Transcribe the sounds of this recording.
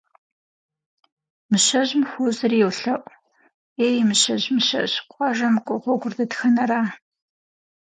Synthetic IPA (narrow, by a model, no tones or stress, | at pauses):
mɨɕɐʑmxʷʊzɨrjɛwɬɐʔʷ | eːjmɨɕɐʑmɨɕɐ̰ɕqʷʼɑʒɐmkʷʼɔʁʷɔɡʷʊrdɐtxɐnɐraː